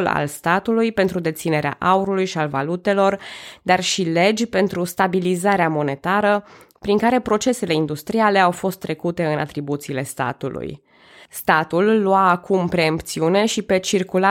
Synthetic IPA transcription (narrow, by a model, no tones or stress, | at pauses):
la̰lst̪at̪ulujpe̞nt̪ɾud̪e̞t̪sine̞ɾea̰ʔauɾulujʃialva̰lut̪e̞lo̞rd̪arʃile̞d͡ʒʲpe̞nt̪ɾust̪abilizaɾeamo̞ne̞t̪aɾə | pɾiŋkaɾe̞pɾo̞t͡ʃe̞se̞le̞ind̪ust̪ɾiale̞awfo̞st̪ːɾe̞kut̪e̞ɨna̰t̪ɾibut̪siːle̞st̪a̰t̪ṵlṵj | st̪at̪ulːuaːkʰumpɾe̞ampt̪siune̞ʃipe̞t͡ʃirkula